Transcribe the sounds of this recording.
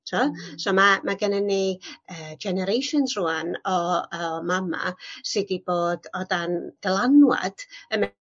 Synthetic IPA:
tʰasomamaɡənəniəːd͡ʒɛnɛɾejʃʊnsruanɔɔmama̰sɨdiboːdɔdand̥əlˠanwa̰d̥əm

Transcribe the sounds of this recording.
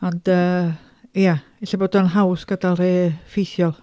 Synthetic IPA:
ɔndəː | ja | ɪɬaboːdənɦawsɡ̥ədalˠreːfijθjɔlˠ

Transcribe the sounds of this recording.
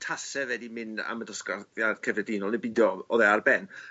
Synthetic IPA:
tʰasɛvɛdimɪna̰mədɔskaðjḁkʰɛvɛdɪnɔlˠnebɪdjɔɔðɛarbɛn

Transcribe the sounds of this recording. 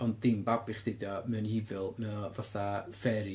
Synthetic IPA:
ɔndɪmbabɪχd̥ɪdamɛnhivɪlˠnavaθafɛɾi

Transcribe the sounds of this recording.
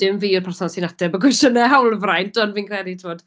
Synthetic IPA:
d̥ɪmviːʊrpʰarθɔsinatʰɛbəɡwɪsʃənɛɦawlˠvrajntʰɔnviːnkʰrɛditʰɪvɔd̥

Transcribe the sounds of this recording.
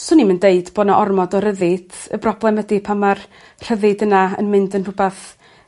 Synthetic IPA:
sɔniməndeɨdboːdnaʔɔrmɔdɔɾəðɪd̥ə̰brɔblˠɛmədipʰamar | r̥əðɨdənaə̰nmɨndənrʊbaθ

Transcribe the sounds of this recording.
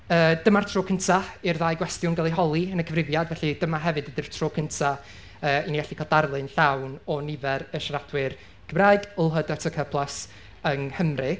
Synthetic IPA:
əːd̥əmartʰroːkʰəntʰaɪrðaːjɡwɛstjʊnɡəlˠiɦɔlˠiənəkʰəvrɪvjadvɛɬɨdəmaɦɛvɨdədɨr̥tʰroːkʰəntʰa | əːiniɛɬikʰalˠdarlˠɨnɬawnɔnɪvɛɾəʃaɾad̥wɪr | ɡ̥əmraːɨɡəlˠɦədɛtʰəkʰəpʰlˠas | əŋhəmrɨ

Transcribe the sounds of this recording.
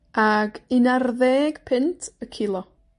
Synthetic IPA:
aɡinarðɛɡ̥pʰɪntʰəkʰɪlˠɔ

